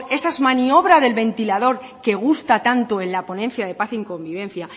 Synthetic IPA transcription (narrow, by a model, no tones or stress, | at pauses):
e̞saezmanio̞β̞ɾaðe̞lβe̞nt̪ilað̞o̞ɾke̞ɣ̞ust̪at̪ant̪oe̞nlapo̞nenθjað̞e̞paθiŋko̞mbiβ̞ẽ̞nθja